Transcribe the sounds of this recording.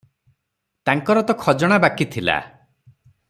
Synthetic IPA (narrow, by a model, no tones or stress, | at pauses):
t̪aŋkɔɾɔt̪ɔkʰɔd͡ʒɔɽ̃abakit̪ʰila̰